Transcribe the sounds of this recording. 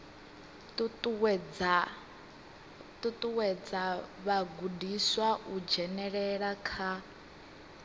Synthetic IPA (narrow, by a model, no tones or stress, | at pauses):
ttʼ | t̪ʼut̪ʼuwɛd͡zaβaɡudiswaʔud͡ʒɛnɛɺɛɺakʰa